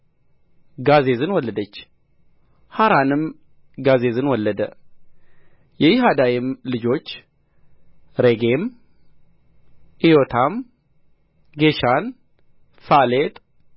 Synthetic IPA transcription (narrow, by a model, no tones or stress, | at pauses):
ɡaze̞zɨnwɔlːəd̪ət͡ʃː | haɾanɨm | ɡaze̞zɨnwɔlːəd̪ə̰ | jɛjɪɦad̪ajɛmlɨd͡ʒo̞t͡ʃː | ɾeɡem | ʔijo̞t̪ʰam | ɡeʃan | falet̪ʼ